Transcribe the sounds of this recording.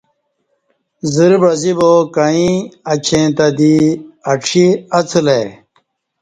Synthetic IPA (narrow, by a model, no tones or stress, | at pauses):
ziɾbɾɐzibokɐĩɐt͡ɕʰẽt̪ɐd̪iɐʈ͡ʂʰiɐt͡sʰule